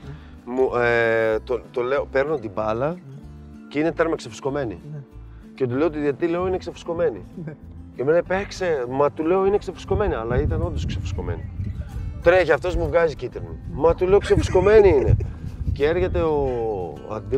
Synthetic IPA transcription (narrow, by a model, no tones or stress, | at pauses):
muet̪ot̪ole̞ope̞ɾnot̪ibɐlɐ | ceine̞t̪eɾmɐksefi̥sko̞me̞nḭ | ce̞t̪uleot̪iðiɐt̪ile̞o̞ineksefi̥sko̞me̞ni | cemenɐpeksemɐt̪ule̞o̞ineksefi̥sko̞me̞niɐlɐit̪ɐno̞nd̪osksefi̥sko̞̰me̞̰nḭ | t̪ɾeçɐft̪o̞zmuvɣɐzicit̪eɾmumɐt̪ule̞oksefi̥sko̞me̞niine̞̰cee̞ɾçet̪e̞o | ɐ̰d̪i